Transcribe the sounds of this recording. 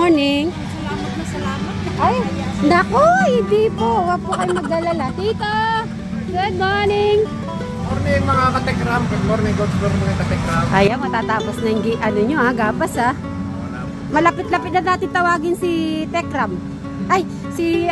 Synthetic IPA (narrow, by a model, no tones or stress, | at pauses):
onɪŋ | sɐlaːmɐt̪̚mɐsɐlaːmɐt̪̚ʔajd̪ɐkohɪnd̪iːpowɐɡ̚pʊkɐjʊmɐɡɐlɐlak̪iːt̪a | ɡod̪̚manɪŋ | oɾnɛŋmɐŋakɐt̪ɛkɾamkɛtːoɾnɪɡot̪boɾmɐŋɐkɐt̪ɛkɾamʔɐjamɐt̪aːt̪aːposnɐɪŋɡɪʔɐloɲoʔaɡabɐsa | mɐlɐpɪt̪̚lɐpɪt̪̚nɐnaːt̪ɪnt̪ɐwaːɡɪnsit̪ɛkɾam | ʔaj | si